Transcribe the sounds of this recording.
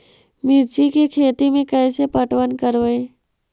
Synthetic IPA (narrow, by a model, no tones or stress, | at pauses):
mɪɾt͡ʃikekʰeːt̪imẽkɛːsepəʈwənkəɾʋəe